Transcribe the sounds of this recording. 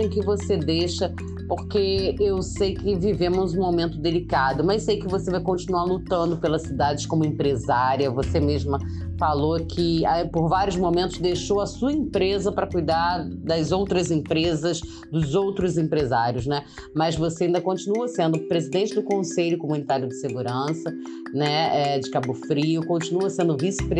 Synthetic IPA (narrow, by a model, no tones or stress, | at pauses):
ẽkɪvosed̪ejʃɐ | poɾkeewsejkɪvivẽmʊzũmomẽnt̪ʊd̪elikad̪ʊmɐzsejkɪvosevajkõnt͡ʃinuaɾlut̪ɐ̃nd̪ʊpelɐssid̪ad͡ʒɪskõmʊẽmpɾezaɾiɐvosemeʒmɐ | falokʰɪapoɾvaɾjʊzmomẽnt̪ʊzd̪ejʃowɐsuɐẽmpɾezɐpɾɐkujd̪aɾd̪ɐzowt̪ɾɐzẽpɾezɐz | d̪ʊzowt̪ɾʊzẽpɾezaɾjʊznɛ | mɐzvoseaĩnd̪ɐkõt͡ʃinuɐsẽnd̪ʊpɾezid̪ẽnt͡ʃɪd̪ʊkõseʎʊkomũnit̪aɾjʊd͡ʒɪseɡuɾɐ̃sɐ | nɛɛd͡ʒɪkabʊfɾiʊkõt͡ʃinuɐsẽnd̪ʊvisɪ̥pɾ